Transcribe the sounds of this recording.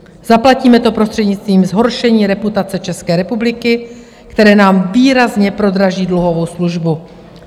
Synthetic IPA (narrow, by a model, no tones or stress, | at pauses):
zaplaciːmɛt̪o̞pɾost̪r̥ɛdɲɪt͡st̪viːmzɦo̞ɾʃɛɲiːɾɛput̪at͡sɛt͡ʃɛskɛːɾɛpublɪkɪ | kt̪ɛɾɛːnaːmviːɾazɲɛpɾo̞d̪ɾaʒiːdluɦo̞vo̞wsluʒbu